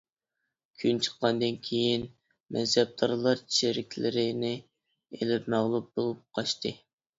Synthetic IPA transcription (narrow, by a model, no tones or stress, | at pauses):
kʲʰynt͡ʃʰə̥qːɑnd̪ɨnkʲʰejin | mɛzɛb̚d̪ʰɑɾlˠɑɾt͡ʃʰt͡ʃeɾɪkʲʰlɪɾɪnɪ | elɪpmæʁlˠup̚b̥olˠup̚qʰɑʃt̪ɨ